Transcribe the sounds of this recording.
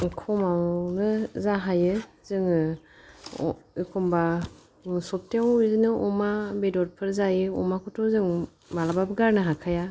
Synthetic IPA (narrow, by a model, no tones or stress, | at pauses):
kʰɔmawnɯzaɦajɯ | zɯŋ | ikʰɔmba | sɔp̚teawizɯnɯʔɔmabedɔt̚pʰɯɾzajɯɔ̰makʰɔtʰɔzɯŋ | malababɯɡaɾnɯɦakʰaja